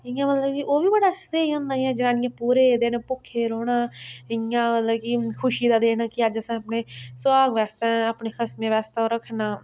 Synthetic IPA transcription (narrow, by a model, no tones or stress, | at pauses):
ɪjãːmət̪ləbkiʔoːʋiːbəɽaːst̪eːiɦõːnd̪aːiãːd͡ʒɪnãːnɪ̃jãːpuːɾeːd̪eːnãːpʊkʰːeːɾoːɽãːɪãːmət̪ləbkikʰʊʃiːd̪aːd̪eːnaːkɪəd͡ʒəsãːəpneːsʊaːɡʋɛːst̪ẽːaːpneːkʰəsmẽːʋɛːst̪aːoːɾəkʰnaː